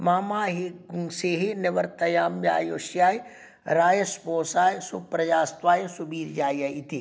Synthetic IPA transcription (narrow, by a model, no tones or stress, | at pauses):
maːmaːɦeɡuŋseːɦeneʋɐɾt̪ɐjaːmbja̰ːjoːʃjaːj | ɾaːjɐspoːsaːjsṵpɾɐd͡ʒaːst̪ʋaːjesubiːɾd͡ʒaːjjɐit̪eː